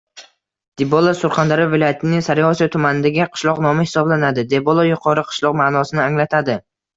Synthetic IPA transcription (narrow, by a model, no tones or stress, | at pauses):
d̪̥ebolˠasʊɾχand̪aɾɪvɪlˠɒjat̪ʰɪnɪŋsaɾɪɒsijat̪ʰʊmanɪd̪aɡʲɪqʰɨ̥ʃlˠɒqnɒmɪhɪ̥sɒblanad̪ɪd̪ebolˠajʊqʰɒɾɪqʰɨ̥ʃlˠɒqmaːnɒsɪnɪaŋlat̪ʰad̪ɪ